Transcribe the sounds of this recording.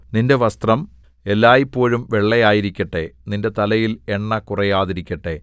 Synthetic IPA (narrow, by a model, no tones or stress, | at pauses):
ninde̞ʋɐst̪rɐm | elːaːjipːo̞ːɻumʋe̞ɭːɐjaːjiɾikʲːɐʈːe̞ninde̞t̪ɐlɐjile̞ɳːɐkurɐjaːðiɾikʲːɐʈːe̞